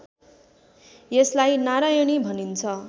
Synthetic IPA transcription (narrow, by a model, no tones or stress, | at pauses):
jeslajnaɾajʌɽ̃ibʱʌnint͡sʰʌ